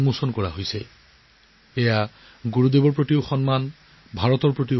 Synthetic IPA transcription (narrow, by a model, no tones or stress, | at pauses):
musɔnkɔɹaɦojsɛ | ɛja | ɡuɹud̪ebɔɹpɹot̪iʊxɔnman | bʱaɹɔt̪ɔɹpɹot̪̬i